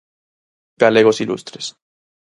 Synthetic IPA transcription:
ɡ̥aleɣosilʔṵst̪ɾes

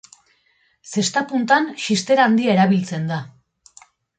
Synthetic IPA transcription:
se̞st̪apunt̪anʃist̪e̞ɾaːnd̪iae̞ɾaβilt͡se̞nd̪a

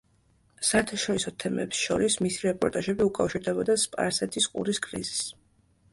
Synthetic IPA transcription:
saɛɾt̪ʰaʃɔɾisɔt̪ʰɛmɛ̰psʃɔ̰ɾismisiɾɛpʼɔɾt̪ʼaʒɛbiukʼafʃiɾd̪ɛbɔd̪aspʼa̰ɾsɛt̪ʰisqʼṵɾiskʼɾḭzis

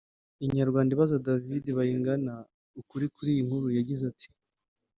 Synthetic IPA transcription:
iɲaɾɡwaːndiβazadavideβajiːŋɡana | ukuɾikuɾiːjiŋ̥huɾujaɟizatʰi̥

